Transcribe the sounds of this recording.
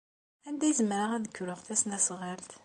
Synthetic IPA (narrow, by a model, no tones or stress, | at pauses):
ænd̪æjzəmɾaʁæðəkːɾəʁθæsnæsʁəlt̪